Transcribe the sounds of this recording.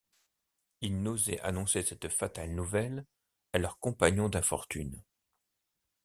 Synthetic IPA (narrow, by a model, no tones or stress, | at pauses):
ilnozɛ̰ʔa̰nɔ̃sesɛt̪fat̪alnuvɛl | alœʁkɔ̃paɲɔ̃d̪ɛ̃fɔ̰ʁt̪yn